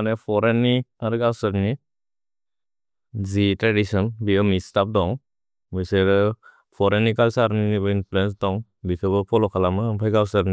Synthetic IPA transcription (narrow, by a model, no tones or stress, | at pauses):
anepʰɔɾenːiaɾɯɡawsaɾni | zitɾadisɔnbiɔmistap̚dɔŋ | bɯjseɾɯ | pʰɔɾenːikalsaɾninibɯinpʰulens̬dɔŋ | likʰɯbɯpʰɔlɔkʰalamɯpʰajɡawsaɾni